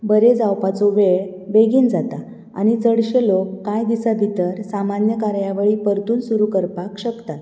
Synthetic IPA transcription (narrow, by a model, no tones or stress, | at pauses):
bəɾed͡zawpat͡soʋeɭ | beɡiːnd͡zat̪a | a̰ñit͡səɽɕelokːãjd̪isabʱit̪əɾsamanjəkaɾjaʋəɭipəɾt̪uːnsuɾukəɾpakɕəkt̪at̪